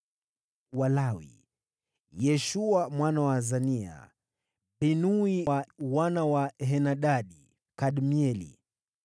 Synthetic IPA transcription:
walawḭ | jɛʃuamwanawazania̰ | ɓɛnuiawanawaɦɛnaɗaɗi | kaɗmiɛlḭ

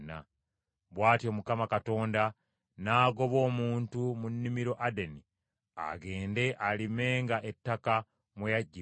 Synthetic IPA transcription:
na̰ | βwaːtio̞mukamakato̞ːnda | naːɡo̞βo̞ːmuːntumunːimiɾo̞ʔadeni | a̰ɡe̞ːnde̞ʔalime̞ːŋɡaʔetːaka | mwejaɟːi

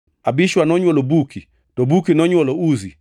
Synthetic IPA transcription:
abiʃwanɔɲwɔlobuki | tɔbukinɔɲwɔlɔuzi

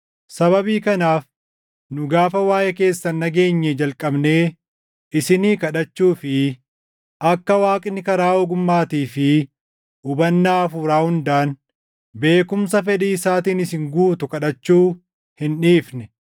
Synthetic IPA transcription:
sɐβɐbiːkɐnaːf | nʊɡaːfɐwaːjɛke̞ːsːɐnːɐɡe̞ːɲːɛd͡ʒɐlkʼɐbne̞ː | ɪsɪniːkɐᶑɐt͡ʃːuːfɪ | ʔɐkːɐwaːkʼɪnːɪkɐɾaːɔɡʊmːaːt̪iːfɪ | ʊbɐnːaːɐfuɾaːhʊnd̪aːn | be̞ːkʊmsɐfɛᶑiːɪsaːt̪iːnɪsɪŋɡuːt̪ʊkɐᶑɐt͡ʃːuː | hɪnᶑiːfnɛ

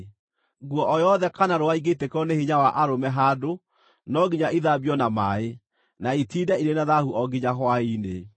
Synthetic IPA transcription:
ɡwɔʔɔjɔðɛkanaɾoaiɡetekɔneheɲawaʔaɾomɛɦado | nɔɡiɲaʔiðabjɔnamae | naitiːdɛiɾenaðahuʔɔɡiɲaɦwaine

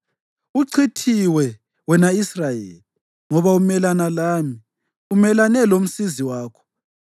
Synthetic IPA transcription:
uǀʰitʰiwɛ | wɛnaisrajḛːli | ŋɔβaumɛlanalaːmi | umɛlanɛlom̩siziwaːkʰɔ̥

